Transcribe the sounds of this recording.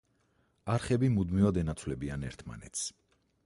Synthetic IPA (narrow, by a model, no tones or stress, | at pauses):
aɾχɛbimud̪mivad̪ɛnat̪sʰwlɛbianɛɾt̪ʰma̰nɛ̰t̪sʰ